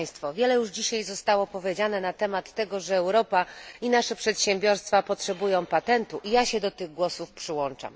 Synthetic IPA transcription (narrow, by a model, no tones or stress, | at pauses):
j̃st̪fɔvʲjɛlɛjuʐd͡ʑiɕajzɔst̪awɔpɔvʲjed͡ʑanɛnat̪ɛmat̪ːɛɡɔʐɛːwɾɔpainaʂɛpʂɛt̪ɕɛmbʲjɔɾst̪fapɔtʂɛbujɔ̃w̃pat̪ɛnt̪uʔijaɕɛd̪ɔt̪ɘɣɡwɔsufpʂɘwɔnt͡ʂa̰m